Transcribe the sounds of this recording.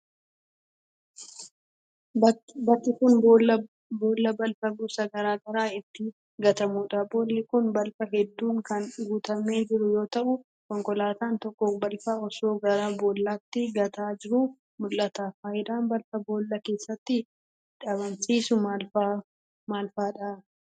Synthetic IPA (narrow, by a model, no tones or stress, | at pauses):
bɐt̪ːɪkʊnbl | bo̞ːlːɐbɐlfɐɡʊsɐɡɐɾaːɡɐɾaːɪt̪ːɪ | ɡɐt̪ɐmuːᶑɐbo̞ːlːɪkʊnbɐlfɐɦɛd̪ːuːŋkɐnɡuːt̪ɐmeːd͡ʒɪɾʊjo̞ːt̪ɐʔʊ | kɔŋkɔlaːt̪aːnt̪ɔkːɔbɐlfaɔso̞ːɡɐɾaːbo̞ːlːaːt̪ːɪɡɐt̪aːd͡ʒɪɾʊ | mʊlʔɐt̪aːfaːjɪd̪aːnbɐlfɐbo̞ːlːɐke̞ːsːɐt̪ːɪ | ᶑɐbɐnsiːsʊmlfa | maːlfaːᶑɐ